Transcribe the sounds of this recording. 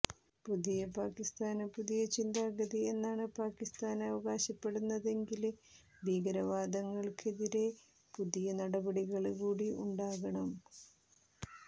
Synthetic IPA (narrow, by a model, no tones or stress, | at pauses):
puðijɐpaːkist̪aːnɐpuðijɐt͡ɕind̪aːɡɐðie̞nːaːɳɨpaːkːist̪aːnɐʋɐɣaːɕɐpːe̞ɽunːɐðe̞ŋɡil | bʱiːɡɐɾɐʋaːd̪ɐŋːɐɭkʰeðiɾe̞ | puðijɐnɐɽɐbɐɽiɣɐɭkuːɽiṵɳɖaːɣɐɳɐm